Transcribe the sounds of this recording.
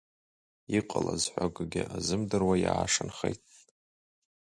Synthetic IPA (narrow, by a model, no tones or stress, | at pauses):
iqʼəlazħʷaɡɡʲɪʔazɨmdɨrwajaːʂɨnχejtʼ